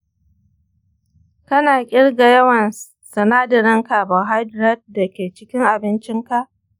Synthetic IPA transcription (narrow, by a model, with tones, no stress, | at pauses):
kɐ˦naː˨kʲʼɪ˦ɽɡa˨jɐ˦wɐ˨n | sɐ˨naː˦dɪ˨ɾɪ˦ŋka˨bɐ˨ɦa˦dɾɐ˦t̚dɐ˨kʲeː˨t͡ʃɪ˦kʲɪ˦ŋʔa˨bɪ˦nt͡ʃɪ˦ŋka˦ʔ